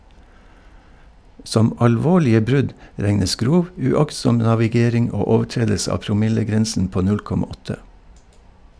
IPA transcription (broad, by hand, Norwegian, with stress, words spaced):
ˈsɔm ɑlˈʋoːɭɪə ˈbɾʉɟ ˈɾɛŋəs ˈɡɾuːʋ ʉˈɑksɔm nɑʋɪˈɡeːɾɪŋ ˈoː ˈoːʋˌʈɾeːdəlsə ˈɑː pɾʊˈmɪləˌɡɾɛnsən ˈpoː ˈnʉl ˈkɔmɑ ˈɔtə